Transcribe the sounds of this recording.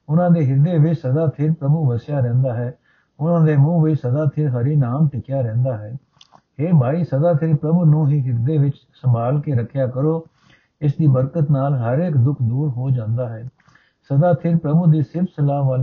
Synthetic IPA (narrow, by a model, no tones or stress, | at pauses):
ʊnãːd̪eːɦɪd̪eːʋɪt͡ʃsəd̪aːt̪ʰɪɾpɾəbuːʋəsjaːɾɛ̃ːnd̪aːɦɛː | ʊnãːd̪eːmũːʋɪːsəd̪aːt̪ʰɪɾɦəɾiːnaːmʈɪkjaːɾɛ̃ːnd̪aːɦɛː | heːbʱaːiːsəd̪aːt̪ʰɪɾpɾəbuːnũːɦiːɦɪɾd̪eːʋɪt͡ʃ | səmbaːlkeːɾəkʰːjaːkəɾoː | ɪsd̪iːbəɾkət̪naːlɦəɾeːkd̪ʊkʰd̪uːɾɦoːd͡ʒãːnd̪aːɦɛː | səd̪aːt̪ʰɪɾpɾəbuːd̪iːsɪbsəlaːʋal